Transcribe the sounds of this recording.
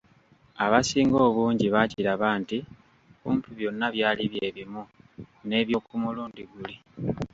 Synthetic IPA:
aβasiːŋɡo̞ːβuːɲɟiβaciɾaβaːnti | βuːntuβjo̞nːaβjaːliβje̞ːβimune̞ːβjo̞ːkumuluːndiɡuli

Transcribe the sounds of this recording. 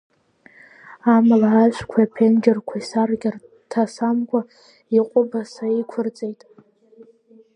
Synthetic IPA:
amalaaʒʷkʷʰaapʰend͡ʒɪrkʷʰaisarɡʲɪr | tʰasamkʷʼa | iqʷʼʊbasaikʷʰʊrt͡sʼejtʼ

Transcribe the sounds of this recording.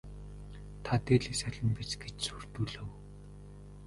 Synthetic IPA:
t̪ʰat̪eːɮiːksæɮʲə̆mpit͡ɕɡet͡ɕsur̥t̪uːɮɘ̆w

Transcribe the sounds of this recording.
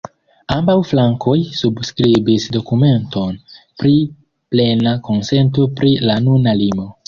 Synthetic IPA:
ambawflaŋkʰo̞jsubskɾibisdo̞kume̞nto̞n | pɾi | ple̞nako̞nse̞nt̬o̞pɾilanunalimo̞

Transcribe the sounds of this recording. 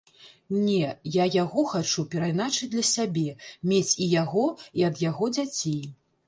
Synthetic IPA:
nʲɛjajaɣɔxat͡ʂupʲɛɾajnat͡ʂɨd̪lʲɐsʲabʲɛmʲet͡sʲijaɣɔiɐd̪jaɣɔd͡zʲat͡sʲej

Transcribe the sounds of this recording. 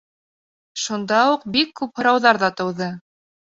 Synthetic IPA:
ʃund̪ɑuqbikːʉphɤ̆ɾɑwðɑɾðɑt̪ɤ̆wðɤ

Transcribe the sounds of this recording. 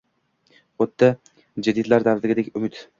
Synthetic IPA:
ot̪ʰːa | d͡ʒad̪id̪laɾd̪avd̪ɪɡʲɪd̪ekʲʊmɪt̪

